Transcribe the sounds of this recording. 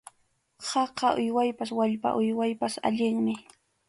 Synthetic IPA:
hɑqɑʔʊjwajpaswaʎpa̰ʔʊjwajpasa̰ʎɪŋmɪ

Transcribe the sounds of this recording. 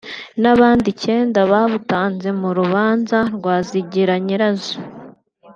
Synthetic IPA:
naβaːndice̞ːndaβaβutaːnze̞muɾuβaːnzaɾɡwaːziɟiɾaɲiɾazo̥

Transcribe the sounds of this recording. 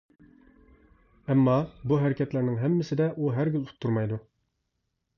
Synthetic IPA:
ɛmːɑbuɦæɾɪkʲɛt̪læɾnɪŋɦɛmːɪsɪd̪ɛʔuɦæɾɡʲylu̥t̪ʰːuɾmɑjd̪u

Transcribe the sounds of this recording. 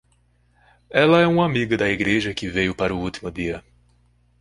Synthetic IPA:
ɛlɐɛũamiɡɐd̪ɐiɡɾeʒɐkɪvejʊpaɾʊut̪imʊd̪iɐ

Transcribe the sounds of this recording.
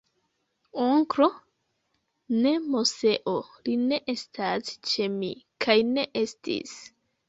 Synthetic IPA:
oŋkɾo̞ | ne̞mose̞ʔoline̞ʔe̞stast͡ʃe̞mḭkʰajne̞ʔe̞stḭs

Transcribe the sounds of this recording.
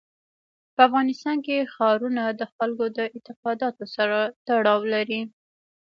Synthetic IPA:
pəafɣɑnɪst̪ɑnkexɑɾunad̪əxalkod̪əɪt̪ɪqɑd̪ɑt̪osaɾat̪aɽɑwlaɾi

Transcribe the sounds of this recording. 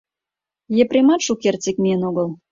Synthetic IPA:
jeprʲemɑt̪ʃukert͡sek̚mʲijənoɣəl

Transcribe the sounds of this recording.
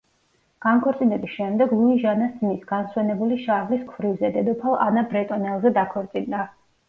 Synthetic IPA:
ɡ̥ankʰɔɾt̪sʼinɛbisʃɛmd̪ɛɡlˠuiʒanasinisɡ̥answɛnɛbuliʃaʁliskʰvɾivzɛd̪ɛd̪ɔpʰalˠa̰nabɾɛt̪ʼɔnɛlˠzɛd̪akʰɔɾt̪sʼind̪a

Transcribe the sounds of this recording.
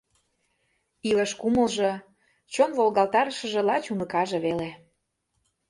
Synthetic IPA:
iləʃkumə̆lʒɤ̆ | t͡ɕonvolɣɑlt̪ɑɾəʃə̆ʒĕlɑt͡ɕunɤkɑʒɤ̆βele

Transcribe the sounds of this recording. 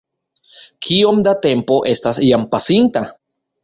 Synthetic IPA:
kʰiomd̪at̪e̞mpo̞ʔest̪asjampasint̪a

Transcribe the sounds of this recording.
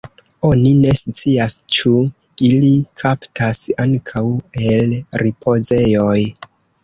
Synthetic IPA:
o̞nine̞st͡siast͡ʃu | ilikʰaptʰasaŋkʰawe̞lɾipʰo̞ze̞jo̞j

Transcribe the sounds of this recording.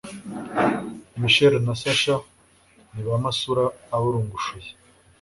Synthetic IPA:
miʃeɾonasaʃa | niβamasuɾaːβuɾuːŋɡuʃuje

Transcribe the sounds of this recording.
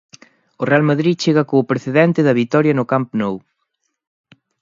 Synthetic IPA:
ʊrealmɐðɾiðt͡ʃeɣɐkoʊpɾeθeðɛnt̪ɪðɐβit̪ɔɾjɐnʊkampnow

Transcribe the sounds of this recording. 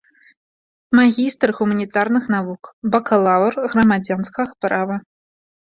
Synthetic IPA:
maɣʲist̪rɣumɐnʲit̪arnɨxnavukbɐkɐlˠavrɣrɐmad͡zʲanskɐɣɐpɾavɐ

